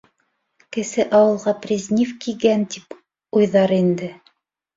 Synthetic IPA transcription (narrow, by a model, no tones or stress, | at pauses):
kɘ̆sɘʔɑwɤ̆lˠʁɑprʲizʲnʲifkiɡænt̪ip | ujðɑɾind̪ɘ